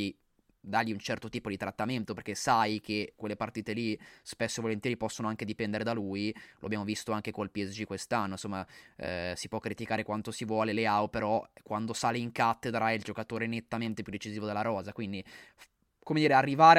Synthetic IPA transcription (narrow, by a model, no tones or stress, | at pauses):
i | d̪aʎːiunt͡ʃɛrt̪ot̪iːpod̪it̪ɾat̪ːament̪operkesajkekːwelːepart̪iːt̪elispesːoivolent̪jɛɾipɔsːonoaŋked̪ipɛnd̪eɾed̪alujlo̰abjamovist̪oaŋkekolpiɛsd͡ʒikwest̪anːonsomːa̰ | sipwɔkːɾit̪ikaːɾekwant̪osivwɔːleleawpeɾɔkwand̪osaːleiŋkat̪ːed̪ɾaild͡ʒokat̪oːɾenet̪ːament̪epjud̪ːet͡ʃiziːvod̪elːaɾɔːzakwind̪i | komed̪iːɾearːivaːɾ